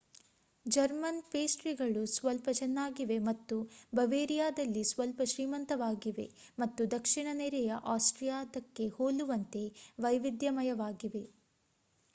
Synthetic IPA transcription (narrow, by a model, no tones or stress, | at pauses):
d͡ʒɐɾmɐnpeːsʈɾiɡɐɭusʋɐlpɐt͡ʃɐnːaːɡiʋe̞mɐt̪ːubɐʋeːɾijaːd̪ɐlːisʋɐlpɐʃɾiːmɐnt̪ɐʋaːɡiʋe̞̰mɐt̪ːud̪ɐkʂiɳɐnɛɾɛjɐʔaːsʈɾijaːd̪ɐkːe̞hoːluʋɐnt̪e̞ʋɐjʋid̪jɐmɐjɐʋaːɡiʋe̞